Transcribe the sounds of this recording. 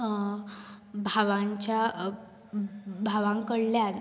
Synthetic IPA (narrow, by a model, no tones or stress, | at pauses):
bʱaʋaɲt͡ɕja | bʱaʋãŋkəɽljan